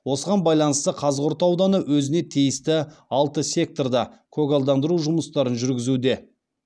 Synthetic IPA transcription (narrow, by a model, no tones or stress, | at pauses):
wo̞səʁɑnbɑjlˠɑnəst̪əqʰɑzəqo̞ɾt̪ɑwd̪ɑnəwɵzɪne̞t̪ʰijɪst̪ɪɑlˠt̪əsʲe̞k̚t̪o̞rd̪ɑkʰoɡolˠd̪ɑnd̪əɾuʒʊməst̪ɑɾənʒʏɾɡʲɪzud̪e̞